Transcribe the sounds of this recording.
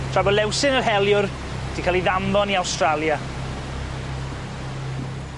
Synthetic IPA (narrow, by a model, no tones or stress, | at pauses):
tʰr̥abɔlɛwsɪnərɦɛljʊr | d̥ikʰalˠiðamðɔniawstralˠja